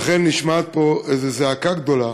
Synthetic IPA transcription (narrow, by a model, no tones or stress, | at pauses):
χenːiʃmat̪̚po̞ezezeakaɡd̪o̞la